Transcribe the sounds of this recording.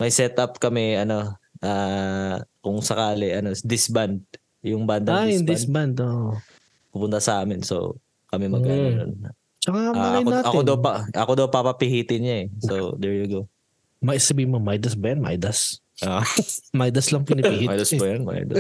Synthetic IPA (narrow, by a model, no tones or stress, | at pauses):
mɐjsɛt̪ʔapkɐmɛɐno̞ʔaː | kʊŋsɐkaːlɪʔɐno̞sd̪ɪsband̪̚ | jʊŋband̪ɐad̪ɪnband̪oʔ | pʊpʊnt̪ɐsɐʔaːmɪnso̰w | kɐmɛmɐɡkɐɾo̰n | t͡ʃɐkaɐnɐjoaːtʔɐkod̪ɐwpɐʔɐkod̪ɐwpapɐpɪhiːt̪ɪnɲaɛsod̪ɛɹjʊɡo | mɐsɐbiːhmomɐjd̪ɐsbɐjɐnmɐʔa̰jd̪as | ʔomɐajd̪ɐslɐŋpunɪpihiajd̪ɐspɐjɐnmɐ̰ʔa̰jd̪ɐs